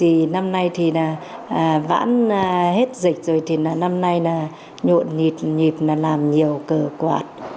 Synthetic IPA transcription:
ti˨˩na˧mna˧jt̪ʰi˨˩naː˨˩ | əː˨˩va̰ː˧˥nː˨˩he˦˥t̚zï˨˩k̟̚zoː˨˩jt̪ʰi˨˩naː˨˩na˧mna˧jnaː˨˩ | ɲo̰˧˨nɲi˨˩p̚ɲi˨˩p̚naː˨˩laː˨˩mɲi˨˩əwkəː˧˩kwa̰ː˨˩t̚

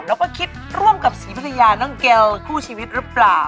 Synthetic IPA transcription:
lɛː˦˥wkɔː˥˩kʰi˦˥t̪̚ɾu˥˩əmka˨˩p̚siː˩˦pʰa˧˩t̪ʰa˧jaː˧nɯ˦˥˩ŋkɛ˧lkʰuː˥˩t͡ɕʰiː˧wi˦˥t̪̚ɾɯ˦˥plaː˨˩w

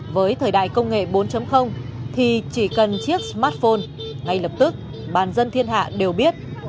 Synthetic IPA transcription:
vəː˨˦jt̪ʰəː˨˩jɗa̰ː˧˨jkə˧wŋ͡mŋḛ˧˨ɓo˨˦nt͡ɕə˨˦mxə˧wŋ͡mt̪ʰi˨˩t͡ɕi˧˩kə˨˩nt͡ɕi˦˥ək̚smaː˦˥t̚fo˧n | ŋa˨˩jlə˨˩p̚t̪ɨ˦˥k̚ | ɓaː˨˩nzə˧nt̪ʰi˧ənɦa̰ː˧˨ɗe˨˩wɓi˦˥ət̚

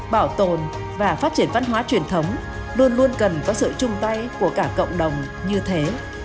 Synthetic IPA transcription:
ɓaː˧˩wt̪o˨˩n | vaː˨˩faː˦˥t̚t͡ɕi˧˩ənva˧nɦwaː˨˦t͡ɕwi˨˩ənt̪ʰə˨˦wŋ͡m | lu˧ənlu˧ənkə˨˩nkɔ˨˦sɨ̰˧˨t͡ɕʊ˧ŋ͡mt̪a˧jku˧˩əkaː˧˩kə̰˧˨wŋ͡mɗə˨˩wŋ͡m | ɲɨ˧t̪ʰe˨˦

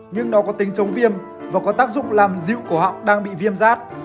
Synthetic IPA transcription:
ɲɨ˧ŋnɔ˨˦kɔ˨˦t̪ï˨˦ŋt͡ɕə˨˦wŋ͡mvi˧əm | vaː˨˩kɔ˨˦t̪aː˦˥k̚zʊ̰˧˨ŋ͡mlaː˨˩mzḭ˧˨wku˧˩əɦa̰˧˨wŋ͡mɗaː˧ŋɓḭ˧˨vi˧əmzaː˦˥t̚

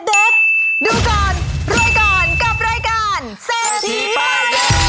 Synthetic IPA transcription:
de˦p̚duː˧kɔː˨˩nɾaː˧jkɔː˨˩nka˨˩p̚ɾaː˧jkaː˧n | se˧˥

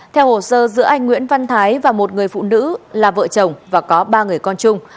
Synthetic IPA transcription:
t̪ʰɛ˧who˧˨˩səː˧zɨ̰˧˥əʔa˧jŋ̟ŋwḭ˧˥ənva˧nt̪ʰaː˨˦jvaː˨˩mo˨˩t̚ŋɨ˨˩əjfṵ˧˨nɨ̰˧˥laː˨˩və̰ː˧˨t͡ɕə˨˩wŋ͡mvaː˨˩kɔ˨˦ɓaː˧ŋɨ˨˩əjkɔ˧nt͡ɕʊ˧ŋ͡m

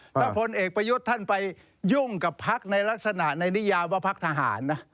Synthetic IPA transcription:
lɛ˦˥˩pʰo˧nʔeː˨˩k̚pɾa˧ju˦˥t̪ʰːa˥˩npa˧j | ju˥˩ŋka˨˩pʰːa˦˥k̚na˧jla˦˥k̚sa˧na˨˩ʔna˧jni˦˥jaː˧waː˥˩pʰa˦˥k̚t̪ʰa˧ɦa̰ː˩˦nːa˦˥

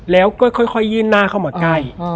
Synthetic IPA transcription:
lɛː˦˥wkɔː˥˩jkʰɔ˥˩jkʰɔ˥˩jːɯː˥˩nːaː˥˩kʰa˥˩wmaː˨˩˦ka˧˥˩j

